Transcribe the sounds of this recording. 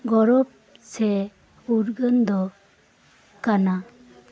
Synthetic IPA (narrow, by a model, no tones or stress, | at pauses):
ɡɔɾɔb̚ | sɛ | uɾɡənd̪ɔ | kana